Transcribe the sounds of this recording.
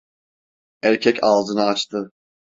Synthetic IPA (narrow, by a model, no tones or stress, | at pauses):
æɾcʰɛcʰalˠzɯnɯat͡ʃt̪ʰɯ